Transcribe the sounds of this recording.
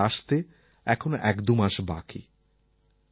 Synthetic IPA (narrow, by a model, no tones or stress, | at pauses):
aʃt̪e | ɛkʰonoʔɛkd̪umaʃba̰kḭ